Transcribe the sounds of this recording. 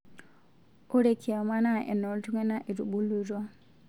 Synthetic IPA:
o˦ɾe˨kʰi˨a˨ma˦na˦ʔɛ̰˨nɔ˨ltu˦ŋɛ˦na˦ʔe˨du˨ɓu˦lu˦ɾwa˦

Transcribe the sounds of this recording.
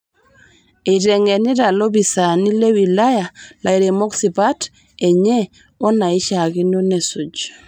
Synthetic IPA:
e˨ɾɛ˨ŋe˨ni˦ɾa˨lo˦bi˨sa˨ni˦le˦wi˨la˦ja˨la˨iɾe˨mɔ˦ksi˨pa˦t | e˨ɲe˦ | ɔ˦na˨i˦ʃa˨ki˦no˦ne˨su˨d͡ʒ

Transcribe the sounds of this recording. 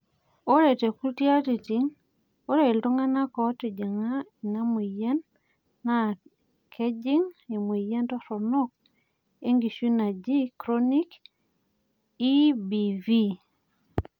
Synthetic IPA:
o˦ɾe˨te˨ku˦lti˦a˦ti˨ti˨˦ŋ | o˦ɾe˨lto˦ŋa˦na˦kɔ˨˦tɪ˨d͡ʒa˨ŋa˦i˨na˦mi˨je˦nː | a˦˨ | kʰe˦d͡ʒɪ˦ŋe˨mwi˨je˦ntɔ˦ɾɔ˨nɔ˦k̚ | e˦ŋɡi˨ʃi˦na˨d͡ʒi˦kɾo˦ni˦k | i˦bi˨vi˦

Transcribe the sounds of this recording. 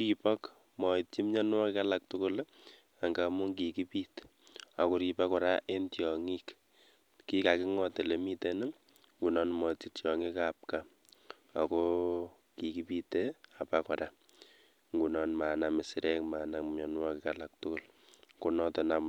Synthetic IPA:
ɾi˨pɔ˦k | mɔ˨iti˦mɲɔ˦nwɔ˦kɪ˦ka˦la˨k̚tʊ˦kʊ˦l | a˨ŋɡa˨mu˦ŋki˨ki˦pi˦t | a˨ko˦ɾi˨pa˦kɔ˨ɾa˦ʔe˦ntiɔ˨ŋi˦k | ki˦ka˨ki˦ŋɔ˦te˨le˨mi˦te˦nɪ˦ | ŋɡu˨nɔ˦nmɔ˨ti˦tjɔ˨ŋi˦kap̚ka˦ | a˨ko˦ | ki˨ki˦pi˦tea˨pa˦kɔ˨ɾa˦ | ŋɡu˨nɔ˦nma˨na˨me˨sɪ˦ɾɛ˦kma˨na˨ɲɔ˨nwɔ˦ki˨kala˨k̚tʊ˦kʊ˦˨l | ku˨nɔ˦tɔ˨na˨m

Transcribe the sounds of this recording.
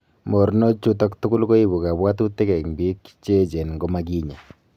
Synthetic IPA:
mo˨ɾno˦t͡ʃu˦tɔ˦ktʊ˦kʊ˦lko˦i˦bu˨ka˨bwa˦tu˦te˦kɛ˨kŋbi˦kt͡ʃe˦t͡ʃe˨nŋɡo˦ma˦k̬i˦ɲa˨

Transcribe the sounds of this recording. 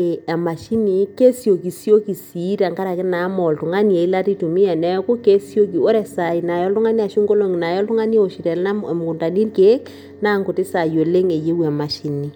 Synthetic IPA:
a˨ma˨ʃi˦ni˨ke˦sjo˨ki˨sjo˦ki˨si˨˦ta˨ŋka˦ɾa˨kɪ˦na˨˦mɔ˨ltʊ˨ŋa˦ni˦e˨i˦la˦ti˦tu˨mi˦a˨nɛ˦ku˦ke˦sjo˦ki˨o˦ɾɛ˨sa˨i˨na˨jɔ˦ltʊ˦ŋa˦ni˦a˨ʃu˦ŋɡo˦lo˨ŋi˨na˨jɔ˦ltʊ˦ŋa˦ni˦o˨ʃi˨tɛ˨lna˦m˨m˨ku˨nta˨ni˦rke˦k | na˦ŋkʊ˨tɪ˦sa˨jo˨le˦ŋe˨je˦wa˨ma˨ʃi˨˦ni˨

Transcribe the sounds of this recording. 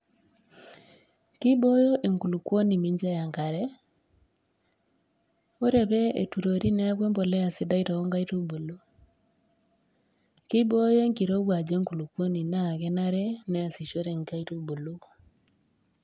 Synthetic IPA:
ki˦bo˦jo˦ʔe˨ŋku˨lu˨kwo˦ni˨mi˦ɲd͡ʒa˦ja˨ŋɡa˨ɾɛ˦ | o˦ɾɛ˨βɛ˦ḛ˨tu˨ɾo˨ɾi˦nɛ˦a˦ɣwe˦mbo˨lɛ˦a˨si˦da˦i˦ɾa˨o˦ŋɡa˦i˦ɾo˦bo˨lo˦ | ki˦bo˦je˦ŋki˨ɾo˦wa˨d͡ʒe˦ŋku˨lu˨kwo˦ni˨na˦˨ɣɛ˦na˦ɾɛ˦nɛ˦a˨si˨ʃo˦ɾɛ˨ŋɡa˦i˦ɾo˦bo˨lo˦

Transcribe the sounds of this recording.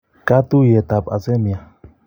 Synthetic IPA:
ka˦t̪u˦je˨t̪a˨pʼa̰˨se˦mja˨

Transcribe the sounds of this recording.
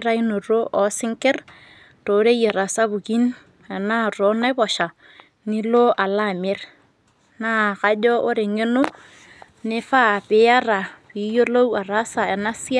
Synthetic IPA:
ɾa˦i˦no˨ɾo˦ʔɔ˨sɪ˦ŋkɪ˦r | to˨˦ɾe˦je˨ɾa˨sa˦bu˨ki˦n | ɛ˨na˦ɾo˨˦na˦jbɔ˨ʃa˨ | ni˦lo˦ʔa˨la˦˨mɪ˦r | na˦ka˦d͡ʒɔ˦ʔo˦ɾɪ˨ŋe˦no˦ | nɪ˦fa˦˨pɪ˨ja˦ɾa˨pi˨jo˦lo˦wa˨ɾa˦sa˨ɛ˨na˦sɪ˦a˦

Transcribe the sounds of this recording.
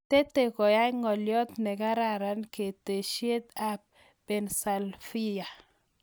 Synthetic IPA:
t̪e˦t̪e˨kɔ˨ja˦jŋɔ˨ljɔ˦t̪nɛ˨ka˦ɾa˨ɾa˦nke˨t̪e˨ʃje˦t̪a˨p̚ | bɛ˨nsa˨lfi˦ja˨

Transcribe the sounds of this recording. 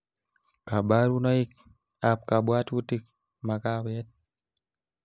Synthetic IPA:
ka˨ba˦ɾu˦nɔ˦ik̚ | ap̚ka˨bwa˦tu˦ti˦k̚ | ma˨ka˦wɛ˦t̚

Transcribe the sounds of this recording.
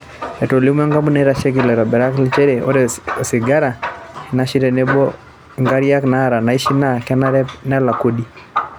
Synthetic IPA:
ɛ˨to˨li˦mwɛ˦ŋɡa˦mu˦nɛɾa˨ʃɛ˦ɡi˨lɛ˨ɾɔ˨bɛ˨ɾa˦kli˦t͡ʃɛ˦ɾɛo˦ɾɛo˨si˨ɡa˦ɾa˨i˨naʃi˦ɾɛ˨nɛbɔ | ŋɡa˦ɾia˦knaɾa˨na˨i˦ʃi˦na˦kɛ˦naɾɛna˦la˨ku˦di˦

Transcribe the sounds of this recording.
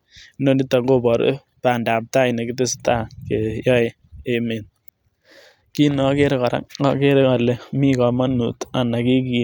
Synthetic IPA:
no˦nɪ˦tːa˨ŋɡo˦bɔ˨ɾḛ˦ | pa˨nda˨p̚ta˦ɪ˨ne˨kɪ˦tɪ˦sta˦ke˨jɔ˦ɪ˨ | e˨me˨n | ki˦nɔ˨ke˦ɾka˨ɾa̰˦ŋa˦ke˦ɾka˨le˨mi˦ka˨ma˦nṵ˨ta˨na˨ki˦ki˨

